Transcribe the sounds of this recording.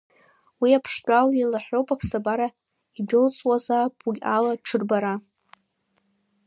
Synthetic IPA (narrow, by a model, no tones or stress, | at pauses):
wiapʰʂtʷʼalilaħʷowpʼapʰsabaɾa | idɪlt͡sʼwazapʰʼuɡʲalaʈ͡ʂʰɨrbaɾa